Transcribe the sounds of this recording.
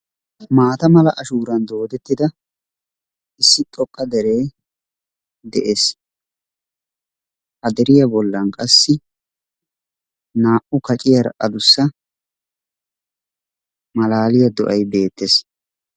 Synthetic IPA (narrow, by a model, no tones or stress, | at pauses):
maːt̪ɐmɐlɐʔɐʃuːɾɐnd̪oːd̪ɛt̪ːɪd̪ɐ | ʔɪsːɪt̪ʼɔkʼːɐd̪ɛɾe̞ː | d̪ɛʔeːs | hɐd̪ɛɾɪjɐbɔlːɐnkʼɐsːɪ | naːʔʊkɐt͡ʃʼɪjɐɾɐ̰ʔɐd̪ʊsːɐ | mɐlaːlɪjɐd̪ɔ̰ʔɐjbe̞ːt̪ːes